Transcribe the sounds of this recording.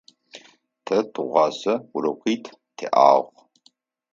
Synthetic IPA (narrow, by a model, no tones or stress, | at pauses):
tʰɐtʰʁʷɑzɐuɾɐqʷʰiːtʰ | tʰḛʔa̰ːʁʷ